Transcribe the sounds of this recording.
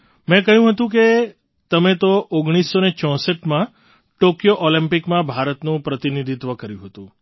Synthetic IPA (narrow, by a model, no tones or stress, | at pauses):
mɛ̃kəɦjũɦət̪ũk̬e | t̪əmet̪oʔoɡɽ̃isːonet͡ʃɔ̃səʈmã | ʈokjoʔolimpikmãbʱaɾət̪nũpɾət̪inid̪ʱit̪ʋəkəɾjũɦət̪ũ